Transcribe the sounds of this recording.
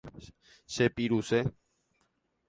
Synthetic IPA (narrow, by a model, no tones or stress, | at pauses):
sepiɾuse